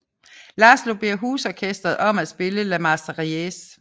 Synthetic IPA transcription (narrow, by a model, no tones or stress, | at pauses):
lɑslo̝b̥iɐ̰ɦuːsɒkʰesd̥ʁɐð̞̩ˠɒ̽m̰æd̥sb̥e̝ləlæmɑsd̥ɐʁies